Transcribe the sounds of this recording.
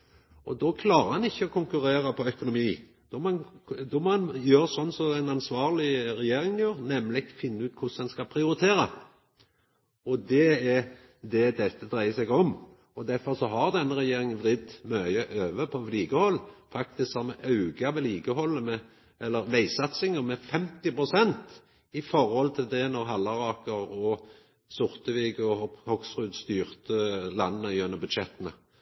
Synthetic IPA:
ʔɔd̪ɔkʰlɑːɾəɾhɑnɪçːəɔkʰʊŋkʉɾeːɾəpʰɔœkʊnʊmiː | d̪̥ɔmnd̪ɔmɔːɑnjøːɾsɔnːsɔæɪnɑnsʋɑːʁlɪɾɛjeːɾɪŋnjøːɾnɛmlɪɡfɪnːəʉːt̪̚kʰʊsɛnskɑpʰɾɪʊɾɪt̪ʰeːɾə | ɔd̪ɛɛɾ | d̪ɛd̪ɛt̪ːəd̪ɾæɪəsɛɡɔm | ɔd̪æɾfɔɾsɔɦɑɾd̪ɛnːəɾɛjeːɾɪŋʋɾɪd̪mœʏəʔøːʋəpʰɔliːɡəhɔlːfɑk̚t̪ɪsksɑmɛʔɑʉɡɑʋɛliːɡəhɔlːəmɛ | ɛlːəɾʋæɪsɑt̪sɪŋəmɛfɛmt̪ɪpɾʊsɛnt̪ | ɪfɔɾhɔlt̪ʰɪld̪ɛnɔʁɦɑlːɑɾɑːkəɾɔ | sʊʁt̪əʋiːɡɔhɔksʁʉd̪st̪yːʁt̪əlɑnːənəjɵnːəbʉd̪ʃɛt̪ːənə

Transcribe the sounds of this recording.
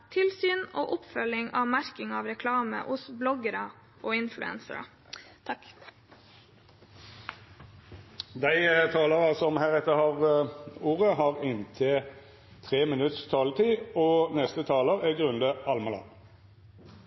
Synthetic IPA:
t̪ʰɪlsyːno̰ːʔʊpfœlɪŋɑːʋmæɾkɪŋɑːʋɾɛkʰlɑːmə̰ʔʊsblɔɡəɾɑ | ʔoːɪnflʉ̰ɛ̰nsə̰ɾɑ̰ | ɑk | d̪æɪt̪ʰɑːləʁɑsɔmhæːʁɛt̪ːəhɑʁuːʁəhɑːʁɪnt̪ʰɛ | t̪ʰʁeːmɪnʉt̪st̪ʰɑːlət̪ʰiːoːnɛst̪ət̪ʰɑːləʁæɡʁʉnd̪əʔɑlmɑlɑ̰n

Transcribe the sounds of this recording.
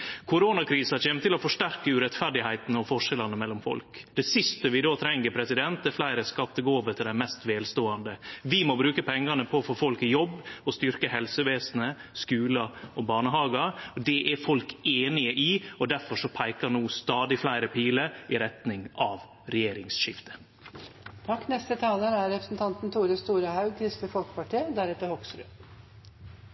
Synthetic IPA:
kʰʊɾoːnɑkʰɾiːsɑçeːmət̪ʰɪlɔfɔʂʈæɾkəʉɾɛt̪fæɖɪhæɪt̪n̩ɔfɔʂɛlɑnəmɛlːɔmfɔ̰lkd̪̥ɛsɪst̪əʋɪd̪oːt̪ʰɾɛŋːəɾpʰɾɛsɪd̪ɛnt̪̚d̪ɛɾflæɪɾəskɑt̪ːəɡoːʋət̪ʰɪld̪æmɛst̪ʋeːlst̪oːɑnd̪əʋɪmɔbɾʉːkəpʰɛŋːɑnəpʰɔfɔfɔlkɪjɔbːɔst̪ʏɾkəhɛlsəʋeːsn̩əskʉːlɑɔbɑːɳəɦɑːɡɑɔd̪ɛʔæɾfɔlkeːnɪəʔɪɔd̪æɾfɔʂɔpʰæɪkɑɾnuːst̪ɑːd̪ɪflæɪɾəpʰiːləɾɪɾɛt̪nɪŋɑʋ | ɾɛjeːɾɪŋsʃɪft̪ə̥ | t̪ʰɑkːnɛst̪ət̪ʰɑːləɾæɾɾɛpɾəsn̩t̪ʰɑnt̪n̩t̪ʰuːɾəst̪uːɾɑhɑʉkʰɾɪst̪əfɔlkpɑʈʰeːd̪æɾɛt̪əhɔksɾʉ̰

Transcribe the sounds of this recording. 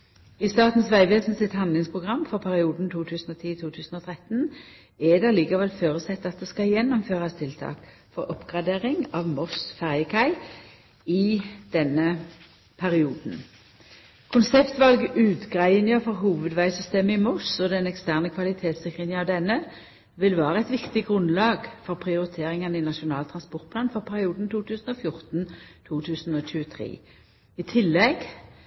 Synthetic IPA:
ɪst̪ɑːʁt̪n̩sʋæɪʋeːsn̩sɪt̪hɑnd̪lɪŋspʰʁʊɡʁɑmːfɔʁpʰæʁɪuːd̪n̩t̪ʰuːt̪ʰʉːsn̩oːt̪ʰiːt̪ʰuːt̪ʰʉːsn̩ɔːt̪ʰʁɛt̪n | ɛd̪ɛʁliːkəʁʋɛlføːʁəsɛt̪ːɑt̪̚d̪ɛːskɑjɛnːɔmføːʁɑst̪ʰɪlt̪ʰɑ̰ːk | fɔʁɔpɡ̥ʁɑd̪eːʁɪŋɑːʋmɔsfæʁjəkʰɑɪ | ɪd̪̥ɛnə | pʰæʁɪuːd̪n̩ | kʰʊnsɛpt̪ʋɑlɡʉːt̪ɡʁæɪənɪəfɔʁɦuːʋəd̪ʋæɪsʏst̪eːməɪmɔsɔd̪ɛnɛkst̪æːʁnəkʰʋɑlɪt̪ʰeːt̪sɛkʁɪnɪɑʋd̪ɛnːə | ʋɪlʋæːʁəɛɪt̪ʋɪkt̪ɪɡʁʉnlɑːɡfɔʁpʰʁɪʊʁɪt̪ʰeːʁɪŋɑnɪnɑʃʊnɑːlt̪ʰʁɑnspɔʁt̪̚pʰlɑːnfɔʁpʰæʁɪuːd̪n̩t̪ʰuːt̪ʉːsn̩ɔːfjʊʁt̪nt̪ʰuːt̪ʰʉːsn̩ɔːɕʉːət̪ʰʁḛː | ɪt̪ʰɪlːɛɡ

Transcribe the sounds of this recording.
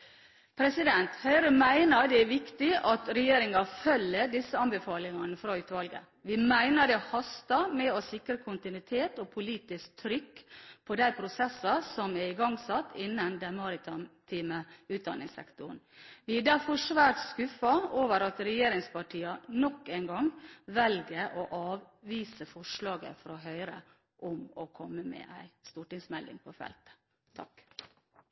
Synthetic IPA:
pʰɾɛsɪd̪ɛnt̪hæɪɾəmæɪnəɾɖ̪ɛæʋɪkt̪ɪʔɑt̪ɾɛjeːɾɪŋɑfœlːəɖɪsːəɑnbɛfɑːlɪŋɑnəfɾɑʉːt̪ʋɑlɡə̰ | ʋɪmæɪnəɖɛhɑst̪ɑmɛɔsɪkɾəkʰʊnt̪ɪnʉɪt̪ʰeːt̪ɔpʰʊliːt̪ɪsk̚t̪ʰɾʏkːpʰɔd̪æɪpʰɾʊsɛsːɑsɔmɛɾɪɡɑŋsɑt̪ːɪnːənd̪ɛnmɑːɾɪt̪ʰɑmt̪ʰiːməʉːt̪̚d̪ɑ̰nɪŋsɛ̰kt̪ʊn | ʋɪɛd̪æɾfɔʂʋæːɾʈ̪skʉfɑoːʋəɾɑt̪ɾɛjeːɾɪŋspɑʈʰiːɑnɔkːæɪnɡɑŋʋɛlɡəʔoʔɑːʋ | ʋiːsəfɔʂɭɑːɡə̰fɔɾɔɦœʏɾə | ʔʊmɔkʰɔmːəmɛ̰ːʔæ̰ɪst̪uːʈɪŋsmɛld̪ɪ̰ŋpʰɔfɛ̰lt̪ə̥ | ɑ̰k

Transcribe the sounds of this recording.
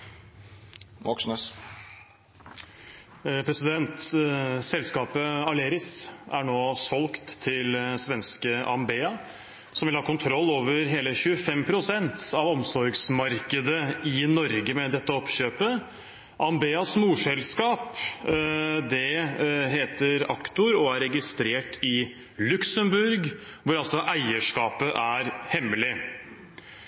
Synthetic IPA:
mɔkʂnəs | pʰɾɛsɪd̪ɛnt̪sɛlskɑːpəɑleːɾɪsæ̰ɳoːsɔlkt̪ʰːɪlsʋɛnskəʔɑ̰mbeːɑ | sɔmʋɪlhɑːkʊnt̪ʰɾɔlːoːʋəɾɦeːləçʉəfɛmpʰɾʊsɛnt̪ɑʋɔmsɔɾɡsmɑɾkəd̪əɪnɔɾɡəmɛd̪ɛt̪ːəɔpɕøːpə | ʔɑmbeːɑsmuːʂɛlskɑːp | d̪ɛɦeːt̪əɾɑ̰kt̪ʊɾɔæɾɛɡɪst̪ɾeːʈɪ | lʉksəmbʉɾɡ | ʋʊɾɑlsɔʔæɪəʂkɑːpəʔæɾhɛmːəlɪ

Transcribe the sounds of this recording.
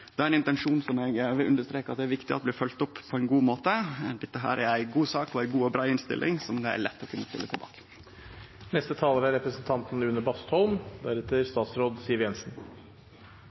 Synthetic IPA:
d̪ɛæɾæɛnɪnt̪ɛnʂuːnsɔmɛɡʋɪlʉnd̪əst̪ɾeːkɑt̪̚d̪ɛæɾʋɪkt̪ɪɑ̰t̪̚ːbliːfœlt̪ʊpːpʰɔɛɪnɡuːmoːt̪əd̪ɛt̪ːəɦæ̰ːɾʔæɾæɪɡuːsɑːkɔæɪɡuːɔbɾɑːɪnst̪ɪ̰lʔɪ̰ŋsɔmd̪ɛæ̰ɭɛt̪ːɔkʰʉnːəspɪ̰lːət̪ʰɪlbɑ̰ːkə̥ | nɛst̪ət̪ʰɑːləɾəæɾɛpɾəsnt̪ʰɑnt̪nʉnːəbɑst̪hɔlmd̪æɾɛt̪əɾst̪ɑːt̪sɾoːd̪siːəɾjɛnsn̩

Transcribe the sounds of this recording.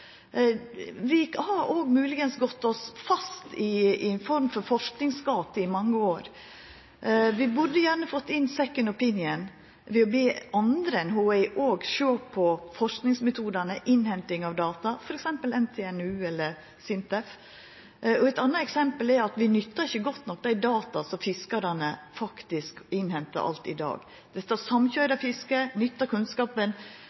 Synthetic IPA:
ʋɪhɑɾoːɡmʉːlɪɡənsɡɔt̪ːɔsfɑst̪ɪnfɔɾmfɔɾfɔʂknɪŋsɡɑːt̪ɪmɑŋːəoːɾ | ʋɪbʉdːəjæːɾɳəfɔt̪ːɪnsɛkːənɔpɪnɪən | ʋɛɔbeːʔɑnd̪ɾəɛnɦoːɛɪʔoːɡʃøːpʰɔfɔʂknɪŋsmɛt̪ʰuːd̪ɑnəʔɪnhɛnt̪ɪŋɑʋd̪ɑːt̪ɑfɔɾɛksɛmpəlɛnt̪ʰeːɛnʉːɛlːəɾ | sɪnt̪ɛf | ɔɛɪt̪ɑnːɑɛksɛmpəlɛɾɑt̪ʋɪnʏt̪ːɑɾɪçːəɡɔt̪ːnɔk̚ːd̪æɪd̪ɑːt̪ɑsɔmfɪskɑɾɑnəfɑkt̪ɪskɪnhɛnt̪ɑ̰ɾʔɑ̰lt̪ɪd̪ɑ̰ːɡ | d̪̥ɛt̪ːɑsɑmçœʏɾɑfɪskənʏt̪ːɑkʰʉnskɑːpən

